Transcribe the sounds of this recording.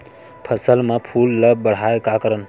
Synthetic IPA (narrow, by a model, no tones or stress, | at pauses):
pʰəsəlmepʰulːəb̚bəɽ̤aekakəɾən